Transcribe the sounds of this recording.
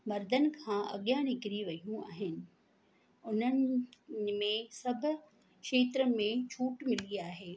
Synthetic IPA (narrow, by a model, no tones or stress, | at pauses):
mɐɾd̪ʱənɪ̆kʰãːʔɐ̰ɠjãnɪkɾiʋɐijũaːɦɪnɪ̆ | ʊnən | mẽsɐbʱʊ̆ | kʃeːt̪ɾəmẽt͡ɕʰuːʈmɪliaːɦeː